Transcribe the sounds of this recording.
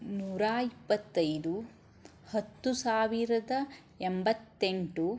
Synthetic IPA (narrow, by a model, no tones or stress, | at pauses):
nuːɾaːipːɐt̪ːɐjd̪u | hɐt̪ːusaːʋiɾɐd̪ɐ | embɐt̪ːeɳʈu